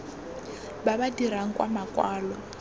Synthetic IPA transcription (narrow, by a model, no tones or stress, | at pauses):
babadiɾaŋ̩kʼwamakʼwaːlɔ